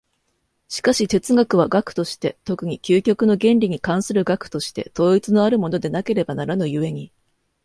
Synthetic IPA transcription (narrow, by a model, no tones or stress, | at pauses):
ɕi̥kaɕit̪e̞t͡sɨɡakɯ̟βaɡakɯ̟̥t̪o̞ɕi̥t̪e̞t̪o̞kɯ̟ɲ̟ikʲɨːkʲo̞kɯ̟no̞ɡẽ̞nɾʲiɲ̟ikãɰ̃sɨɾɯ̟ɡakɯ̥t̪o̞ɕi̥t̪e̞̰t̪o̞ːit͡sɨno̞aɾɯ̟mo̞no̞d̪e̞nake̞ɾe̞banaɾanojɯ̟βe̞ɲ̟i